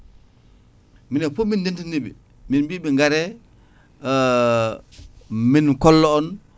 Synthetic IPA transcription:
minɛfomindintinibḭ | minbibiŋɡaɾɛ | minkɔlːɔɔn

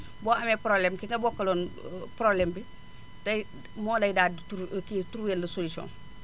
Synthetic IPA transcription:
boːameːpɾoblemkiŋɡɐboːkːalonpɾobleːmbi | tɐ | moːlɐjdaːdtuɾkituɾweːnlɐsolisio̰ːn

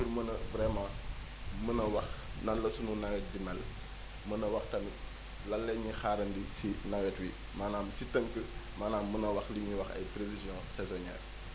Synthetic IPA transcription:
urmənɐvɾɛmãː | mənɐwɐxnɐlːɐsununɐɡɛt̚dimɛl | mənɐwɐxtɐmi | lɐlːɛɲixaːɾɐndisinɐɡɛtwi | maːnaːmsitəŋkəmaːnaːmːənɐwɐxliɲiwɐxɐ̰jpɾevizjɔ̃sɛzɔnɛ̰r

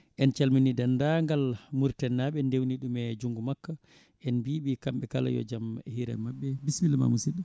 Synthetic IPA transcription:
ʔɛnt͡ʃalminidandaŋɡalmuɾtɛnːaɓɛndewniɗumɛd͡ʒuŋɡumakːa | ʔɛnbiɓikamɓɛkala̰jɔ̰d͡ʒamhiɾɛ̰mabːɛbismilma̰musiɗum

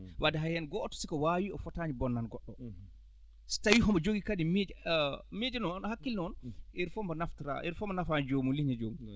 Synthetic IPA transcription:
wʔadɛɦajɛnɡɔtːɔ̥sikɔwaːwiɔfɔtaɲibɔnːanɡɔɗːɔ | si̥tawiɦɔmɔd͡ʒoɡikadimed͡ʒmed͡ʒɛnɔnnɔhakːilnɔnʔiɾfɔmɔnaftɾa̰ʔiɾfɔmɔnafand͡ʒoːmuliɲɛd͡ʒoːmu

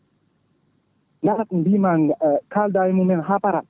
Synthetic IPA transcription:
ŋaɾak̪nbimaŋkʰald̪ajmumɛnɦapaɾa

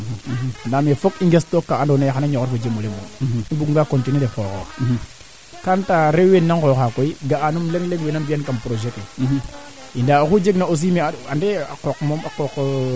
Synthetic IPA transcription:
andamefokiŋɡestokːaandonajaxanaɲokoɾfod͡ʒemolemo̰mibuɡŋɡakontinidefoko̰ | kantaɾewenːankoxakoiɡaanumleŋleŋwenambijankampɾoʒeke | idakud͡ʒeɡnaos̬imeaandea̰kokmomakok

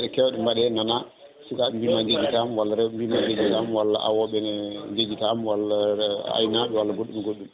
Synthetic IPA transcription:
ɛɗɛkɛwɗɛmbaɗɛnana | sukaɗɛmbimaɲd͡ʒed͡ʒitamwalːaɾɛmbimaɲd͡ʒed͡ʒitamwalːa̰ʔa̰wɔɓɛnɲd͡ʒed͡ʒitamwalːaa̰jnaɓɛwalːaɡoɗːumɛɡoɗːum

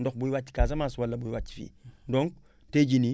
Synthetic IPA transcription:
ndok̚buiwatːi̥kaːsamaːswalːɐbuiwati̥fḭːdõŋk̚ | teɟini

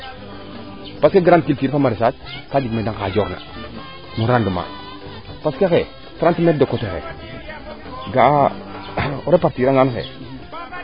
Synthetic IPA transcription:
paskeɡɾand̚kiltiːɾfamaɾesatkad͡ʒimedaŋkad͡ʒoɾna̰ | muɾanduma̰ | paskexe | fɾantumet̚dokotexḛ | ɡa | oɾepaɾtiɾaŋɡanxḛ

